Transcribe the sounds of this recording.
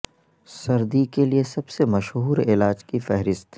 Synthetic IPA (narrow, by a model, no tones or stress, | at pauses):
sɐɾd̪ikeliesɐbsemɐʃɦuːɾɪlaːd͡ʒkifɛɦɾɪst̪